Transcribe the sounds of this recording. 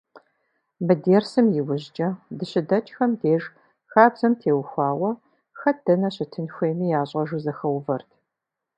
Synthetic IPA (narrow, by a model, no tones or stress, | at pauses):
mɨdeːrsɨmjɪwʊʑt͡ʃʼɐdɨɕɪdɐt͡ʃʼxɐmdeːʒ | xaːbz̥ɐmtʰeːwxʷɑːwɐ | xɐd̥ɐnɐɕɪtʰɨnxʷeːmiːjaːɕʼɐʒuzɐxɐwvɐrtʰ